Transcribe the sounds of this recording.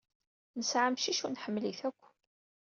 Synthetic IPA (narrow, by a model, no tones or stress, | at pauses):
nəsʕamʃiʃunħəmːliθækʷː